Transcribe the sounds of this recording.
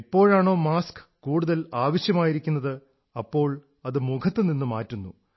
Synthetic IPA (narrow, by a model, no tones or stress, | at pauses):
ipːo̞ːɻaːɳo̞ːmaːskɨ̥kuːɽuðɐlaːʋɐɕjɐmaːjiɾikʲːunːɐðɨ | ɐpːo̞ːɭ | ɐðɨmukʰɐt̪ːɨninːɨmaːtːunːu